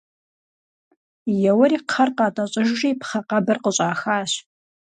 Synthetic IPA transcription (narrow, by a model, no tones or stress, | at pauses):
jɛwɐɾiːqʰɐrqɑːtʼɐɕʼɪʒʒiːpχɐqɐbɨrqəɕʼaːxaːɕ